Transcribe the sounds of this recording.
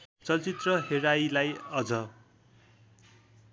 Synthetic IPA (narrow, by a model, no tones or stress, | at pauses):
t͡sʌlt͡sit̪rʌɦeɾajlajʌd͡zʌ